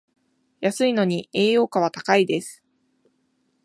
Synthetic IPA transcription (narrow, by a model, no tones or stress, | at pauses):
jasɨino̞ɲ̟ie̞ːjo̞ːkaβ̞at̪akaid̪e̞sɨ̥